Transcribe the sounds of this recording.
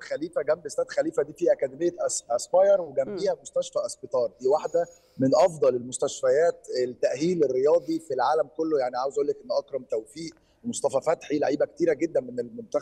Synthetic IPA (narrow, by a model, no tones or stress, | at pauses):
xæliːfæɡæmbest̪æːd̪xæliːfæd̪iːfiːʔækæd̪emejːæʔsæspɑjɑɾˤweɡæmbiːhæmost̪æʃfæʔɑsbet̪ˤɑːɾˤd̪iːwaħd̪æ | menʔɑfd̪ˤɑlelmost̪æʃfæjæːt̪elt̪ːæʔɦiːlerːejɑːd̪ˤifilʕaːlæmkolːojaʕniʕaːwezʔoːlːekʔenːʔɑkɾˤɑmt̪æwfiːʔ | emosˤt̪ˤɑfæfæt̪ħiːleʕiːbæket̪iːɾæɡed̪ːænmenelmont̪æx